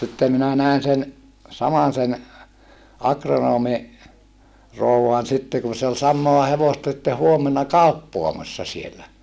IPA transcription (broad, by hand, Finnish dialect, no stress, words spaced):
sitːem minæ næˑen sen sɑmɑsen ɑkronoːmi rouwɑn sitːe kun̞ se ol sɑmˑoɑ heʋostɑ sĭtːe huomenɑ kɑˑupːoɑmɑsːɑ sielæ